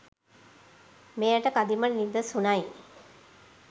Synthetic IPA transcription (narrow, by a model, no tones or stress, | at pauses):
meːjəʈəkad̪imənid̪əsunaj